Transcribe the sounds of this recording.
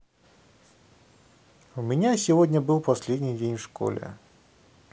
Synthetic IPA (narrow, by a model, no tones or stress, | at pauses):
umʲinʲasʲivɔdʲnʲɐbɨwpasʲlʲed̪ʲnʲid͡zʲenʲʂkɔ̰lʲɛ̰